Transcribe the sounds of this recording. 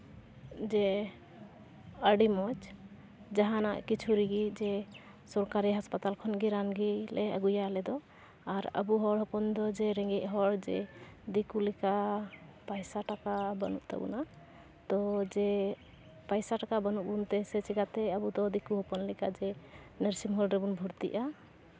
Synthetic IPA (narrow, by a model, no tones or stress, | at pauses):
d͡ʒɛ | əɖimɔt͡ʃ | d͡ʒaɦana̰ʔkit͡ʃʰuɾiɡid͡ʒɛ | sɔɾkaɾiɦaspat̪alkʰɔnɡiɾanɡilɛə̰ɡujalɛd̪ɔ | aɾə̰buɦɔɽɦɔpɔnd̪ɔd͡ʒɛɾɛŋɡɛʔɦɔɽd͡ʒɛ̰d̪ikulikapajsaʈakabə̰nṵʔt̪ɛ̰bṵna | t̪ɔd͡ʒɛ | pajsaʈakabənuʔbunt̪ɛsɛt͡ʃʰiɡat̪ɛəbud̪ɔd̪ikuɦɔpɔnlɛkad͡ʒɛ | nəɾsimɦɔlɾɛbunbʱuɾt̪ḭʔa